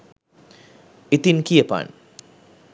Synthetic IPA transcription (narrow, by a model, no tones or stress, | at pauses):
it̪inkijəpa̰n